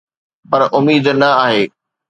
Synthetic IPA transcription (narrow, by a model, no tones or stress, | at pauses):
pɐɾʔʊmiːd̪nɐaːɦeː